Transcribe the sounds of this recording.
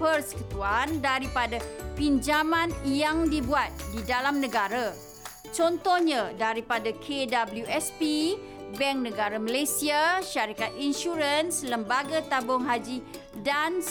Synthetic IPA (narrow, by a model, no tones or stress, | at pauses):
pərsə̥kut̪uandaɾipadapind͡ʒamãnjaŋdibuat̪̚didalamnə̃ɡaɾa | t͡ʃɔnt̪ɔhɲãdaɾipadakʰedabəljuɛspi | bɛŋk̚nə̃ɡaɾamalesiaʃaɾikat̪̚inʃuɾənsləmbaɡat̪abʊŋɦad͡ʒi | dans